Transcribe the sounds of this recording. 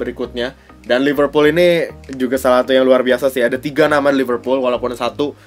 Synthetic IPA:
bəɾikʊt̪̚ɲa | danlivərpulinid͡ʒuɡasalasat̪ujaŋluarbiasasɪhadat̪iɡanamadilivərpulwalapʊnsat̪u

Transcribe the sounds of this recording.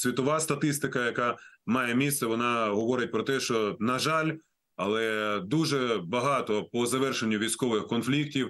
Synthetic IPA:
sʲʋʲit̪ɔʋɑst̪ɐt̪ɪst̪ɪkɐjɐkɑmɑjɛmʲist̪sɛʋɔnɑɦɔʋɔɾɪt̚ʲpɾɔt̪ɛʃt͡ʃɔnɐʒɑlʲ | ɐlˠɛd̪uʒɛbɐɦɑt̪ɔpɔzɐʋɛrʃenʲːʊʋʲijsʲkɔʋɪxkɔnflʲiktʲiw

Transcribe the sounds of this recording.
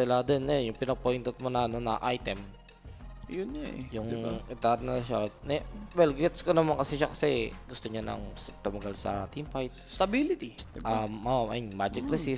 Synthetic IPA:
sɪlad̪ɛnːɐjonjʊŋpɪnɐɡ̚pojnt̪ɛt̪̚monɐɐnonɐ̰ʔajt̪ɛm | jʊnajʊŋɪt̪aɾnɐʃat̪̚nɛwɛlɡɛt̪skonɐmankɐsiʃakɐ̥sɛɡʊst̪oɲanɐ̰ŋt̪ʊmɐɡalsɐ̰t̪imfajt̪̚st̪ɐbilɪt̪ibɐʔɐɲmad͡ʒɪkɾɪsis

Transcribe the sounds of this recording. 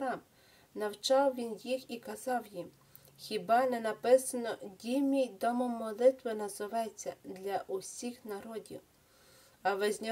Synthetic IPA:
ɾɑm | nɐwt͡ʃɑwʋʲinjixikɐzɑwjim | xʲibɑnɛnɐpɪsɐnɔdʲimʲijd̪ɔmɔmɔlˠɪt̪ʋɪnɐzɪʋɑjet͡sʲːɐ̰d̪lʲɐʔʊsʲixnɐɾɔdʲḭw | ɐʋɪzʲnʲɔ

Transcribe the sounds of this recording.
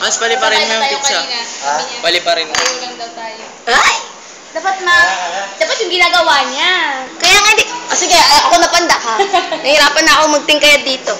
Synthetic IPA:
mɐsbɐlɪpɐɾɪnmɐjd̪ɪk̪̚t͡ʃa | pɐlɪpɐɾɪnmɐjɐŋd̪ɐwt̪aːjo | ʔaj | d̪aːpɐt̪̚mɐd̪aːpɐt̪̚jʊŋɡɪnaːɡɐwaːɲakɐjaŋɐd̪ikʔosɪɡeaʔɐkonɐpɐnd̪akɐnɐhɪɾaːpɐnːɐɐkomɐɡ̚t̪ɪŋkɐjad̪iːt̪o̞

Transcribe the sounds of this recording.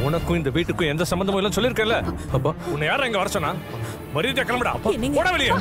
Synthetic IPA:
ʊnɐkːʊ̃ɪnd̪ɐʋiːʈːɯkːʊ̃ɛnd̪ɐsɐmbɐnd̪ɐmãːɪlːãːsɔlːɪɾɯkːẽːɪlːɐɐpːaːʊnːɐjaːɾɐ̃ɛŋɡɐʋɐɾɐsɔnːaː | mɐɾit̪jakːɐlɐmbɐɽã̰ːɐpːooːɽɐʋɛɭɪjɐ

